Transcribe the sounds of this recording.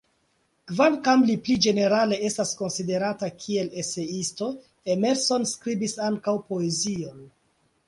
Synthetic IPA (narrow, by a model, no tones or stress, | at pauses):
kvankamliplid͡ʒe̞ne̞ɾale̞e̞stasko̞nside̞ɾatakʰiele̞se̞isto̞ | eme̞ɾso̞nskɾibisaŋkawpo̞e̞zio̞n